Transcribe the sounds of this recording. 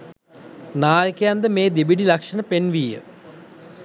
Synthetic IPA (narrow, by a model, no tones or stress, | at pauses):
naːjəkejand̪əmeːd̪ebiɖilɐkʂɐnəpenʋiːjə̰